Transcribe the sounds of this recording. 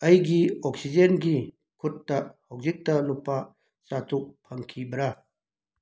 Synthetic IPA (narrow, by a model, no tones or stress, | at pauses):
ɐjɡioksizenɡi | kʰutːɐhɐwzik̚tɐnupa | satʰuk̚pʰɐŋkʰibɾa